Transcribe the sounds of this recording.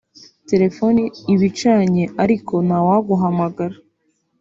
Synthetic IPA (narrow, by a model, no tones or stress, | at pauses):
te̞ɾe̞fo̞niiβit͡ʃaːɲe̞ʔaɾiko̞nawaɡuɦamaɡaɾa